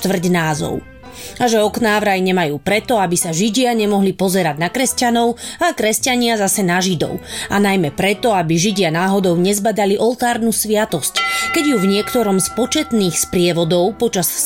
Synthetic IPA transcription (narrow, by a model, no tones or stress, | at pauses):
t̪ʋr̩ɟnaːzɔ̰ʊ | aʒɛɔknaːʋɾajɲɛmajuːpɾɛt̪ɔabisaʒiɟɪaɲɛmɔɦlipɔzɛɾaɟnakɾɛscanɔʊakɾɛscaɲɪazasɛnaʒid̪ɔ̰ʊanajmɛpɾɛt̪ɔabiʒiɟɪanaːɦɔd̪ɔʊɲɛzbad̪aliʔɔlt̪aːɾnuːsʋɪat̪ɔsckɛɟjuvɲɪɛkt̪ɔɾɔmspɔt͡ʃɛt̪niːxspɾɪɛʋɔd̪ɔʊpɔt͡ʃas